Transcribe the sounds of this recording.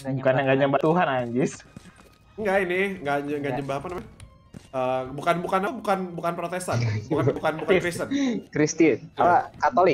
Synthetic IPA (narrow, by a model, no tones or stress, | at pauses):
bukanaŋɡad͡ʒambat̪uɦanaɲd͡ʒɪs | ŋɡainɪŋɡaɲaŋɡad͡ʒəmbaɦapanamaɲ | əbukanbukanabukanbukanpɾot̪esanbukanbukanbukakɾisənkɾist̪inapakat̪olɪk